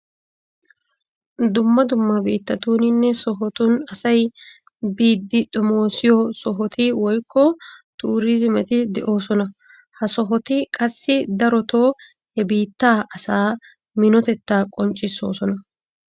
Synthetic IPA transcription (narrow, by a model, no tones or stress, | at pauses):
d̪ʊmːɐd̪ʊmːɐbiːt̪ːɐt̪uːnɪnːɛsɔɦɔt̪ʊnɐsɐj | biːd̪ːɪᶑ̪ʊmo̞ːsɪjɔsɔɦɔt̪ʰɪwɔjkːɔt̪ʰuːɾizɪmɛt̪ɪd̪ɛʔo̞ːsɔnɐ | hɐsɔɦɔt̪ɪkʼɐsːɪd̪ɐɾɔt̪oː | hɛbiːt̪ːaːʔɐsaː | mɪnɔt̪ɛt̪ːaːkʼɔnt͡ʃʼːɪsːo̞̰ːsɔnɐ